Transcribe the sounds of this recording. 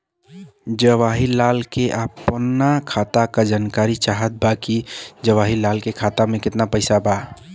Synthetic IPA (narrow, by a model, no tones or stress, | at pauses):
d͡ʒəʋaɦilalkeʔəpnakʰat̪akad͡ʒankaɾit͡ʃaɦət̪̚bakid͡ʒəʋaɦilalkekʰat̪amẽkɪt̪napəɪsaba